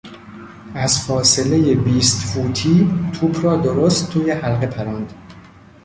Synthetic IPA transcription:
æzfɒːsele̞jebiːst̪fuːt̪ʰiːt̪ʰuːbʰrɒːd̪oɾoːst̪ʰːuːjehælɢe̞pʰæɾɒːnd̪̥

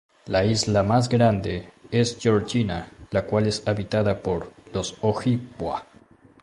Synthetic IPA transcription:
laizlamaz̬ɡɾand̪e̞esd͡ʒoɾd͡ʒinalakwale̞saβit̪aðapo̞ɾlo̞soxikwa̰

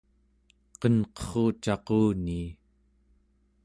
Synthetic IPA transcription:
qʌnqʌ̥χoːt͡ʃɑquːniː

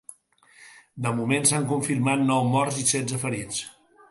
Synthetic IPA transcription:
d̪əmumensaŋkuɱfiɾmat̪̚nɔwmɔrzisɛd͡zzəfəɾit͡s

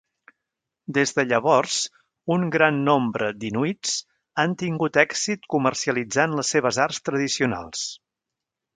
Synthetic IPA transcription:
d̪ezðəʎəβ̞ɔrs | uŋɡɾanːombɾəd̪inuit͡s | ant̪iŋɡut̪ɛksit̪kumərsiəlid͡zanləsːeβ̞əzarst̪ɾəðisiuna̰lˠs

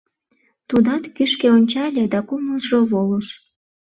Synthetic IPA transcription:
t̪ud̪ɑt̪kyʃkeonʲt͡ɕɑlʲed̪ɑkuməlʒoβoləʃ

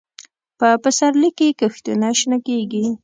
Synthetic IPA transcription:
pəpəsaɾlikekəxt̪unaʃnakeɡi

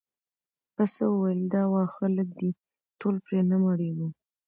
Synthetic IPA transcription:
pasawəwajld̪ɑwɑxalək̚d̪i | ʈolpɾenəmaɽewu

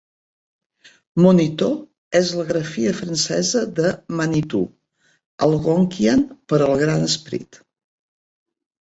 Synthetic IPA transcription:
munit̪o | ɛzləɣɾəfiəfɾənsɛ̰zəðəmənit̪ṵ | əlˠɣoŋkianpəɾəlˠɣɾanəspɾḭt̪

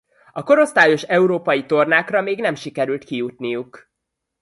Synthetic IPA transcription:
ɒko̞ɾo̞st̪aːjo̞ʃɛuɾoːpɒjit̪o̞rnaːkrɒmeːɡnɛmʃikɛɾylt̪kijut̪nijuk

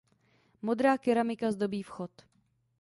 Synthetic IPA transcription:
mo̞d̪ɾaːkɪɾamɪkazd̪o̞biːfxot̪

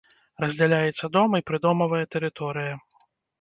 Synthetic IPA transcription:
rɐzʲd͡zʲalʲajɛt̪sːɐd̪ɔmɐjipɾɨd̪ɔmɐvɐjɐt̪ɛɾɨt̪ɔɾɨjɐ

